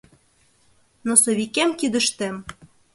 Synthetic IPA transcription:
nosoβikæmkid̪ə̆ʃt̪æm

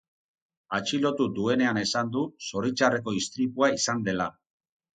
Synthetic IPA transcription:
at͡ʃilo̞t̪ud̪ue̞ne̞ane̞sand̪uso̞ɾit͡ʃare̞ko̞ist̪ɾipuaisand̪e̞la

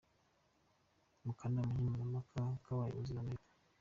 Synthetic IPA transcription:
mukandamuhimunamakʰakawajḭuzinanekḁ

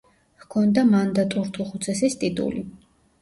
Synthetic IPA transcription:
hkʰɔnd̪amand̪at̪ʼuɾt̪ʰuχut̪sʰɛsist̪ʼit̪ʼṵli

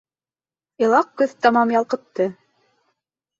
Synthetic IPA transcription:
ɤ̆lˠɑq̚kɵðt̪ɑmɑmjɑlˠqɤ̆t̪ːɤ

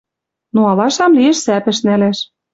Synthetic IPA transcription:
noɑlɑʃɑmliĕʃsæpɘ̆ʃnæleʃ

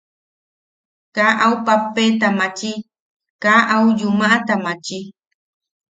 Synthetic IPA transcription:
kaʔawpapːet̪amãt͡ʃi | kaʔaujumãʔat̪amãt͡ʃi

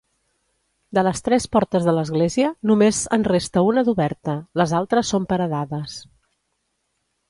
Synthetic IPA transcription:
d̪ələst̪ɾɛspɔɾt̪əzðələzɣleziənumezənrest̪əunəðuβɛɾt̪ələzalˠt̪ɾəsːompəɾəðaðəs

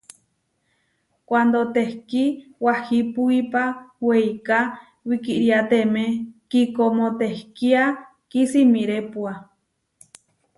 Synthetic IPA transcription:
kwand̪ot̪ehkiwahipuipaweika | wikiʔɾiat̪emẽkikomõt̪ehkia | kisimiɾepua

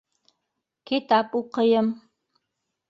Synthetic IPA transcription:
kit̪ʰapʼuqəjəm

